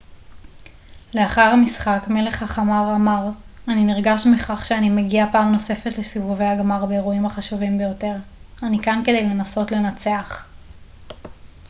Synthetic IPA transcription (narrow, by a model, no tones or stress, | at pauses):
le̞aχaʁhamisχakmele̞χhaχamaʁamaʁ | aniniʁɡaʃmiχaχʃeanimeɡiapaːmno̞se̞fetlesivuvejhaɡmaʁbeːʁuimaχaʃuvimbejo̞te̞ʁanikanke̞dejle̞naso̞tle̞nat͡se̞aχ